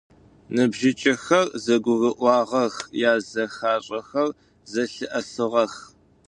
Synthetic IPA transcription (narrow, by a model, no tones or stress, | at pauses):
nɨbʒɪt͡ʃʼɐxɐrzɐɡʷʊɣɨʔʷɑːʁɐxjaːzɐxaːɕʼɐxɐr | zɐɬɨʔɐsɨʁɐx